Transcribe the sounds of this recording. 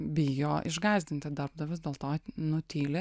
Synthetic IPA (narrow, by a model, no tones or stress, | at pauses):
bʲɪjoːʔɪʒɡɑːzʲd̪ʲɪnʲt̪ʲɪd̪ɐɾbd̪ɐʋʲɪsd̪ʲeːlˠt̪oːnʊt̪ʲiːlʲe